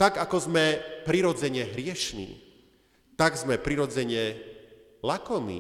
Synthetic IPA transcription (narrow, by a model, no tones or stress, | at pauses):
t̪aɡakɔzmɛpɾiɾɔd͡zɛɲɛɦɾɪɛʃnḭː | t̪aɡzmɛpɾiɾɔd͡zɛɲɛ | lakɔmḭː